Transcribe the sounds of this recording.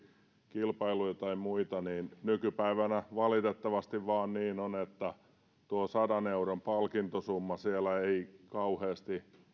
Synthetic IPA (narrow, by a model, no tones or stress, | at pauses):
kilpɑilujt̪ɑimuit̪ɑniːnnykypæiʋænæʋɑlit̪et̪ːɑʋɑst̪iʋʋɑːnniːnonet̪ːæ | t̪uosɑdɑneuɾompɑlkint̪osumːɑsielæeikɑuheːst̪i